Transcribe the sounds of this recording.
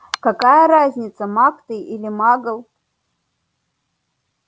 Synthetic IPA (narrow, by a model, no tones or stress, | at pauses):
kɐkajəɾazʲnʲɪt̪səmakt̪ɨjilʲɪmaɡəlˠ